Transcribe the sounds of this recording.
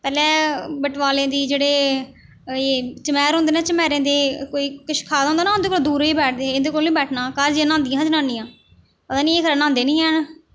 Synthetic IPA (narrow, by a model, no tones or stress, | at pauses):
pɛːlɛ̃ːbəʈʋaːlẽːd̪iːd͡ʒeːɽeː | eːt͡ʃəmɛːɾɦõnd̪eːnãːt͡ʃəmɛːɾẽːd̪eːkoːiːkɪt͡ʃkʰaːd̪õːnd̪anaːɦʊnd̪eːkolːd̪uːɾiːbɛːʈ̚ʰd̪eːend̪eːkoːlːĩːbɛːʈʰnaːkaɾd͡ʒiãːnãːnd̪ɪjãːd͡ʒənãːnːijãː | pəd̪ãːnĩːeːkʰəɾaːnãːnd̪eːnĩːɛːɳ